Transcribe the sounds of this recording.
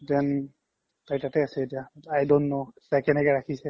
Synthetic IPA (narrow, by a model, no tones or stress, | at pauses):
tɛn | tajtatɛasɛetijaajdɔnːɔtakɛnɛkɛɹakʰisɛ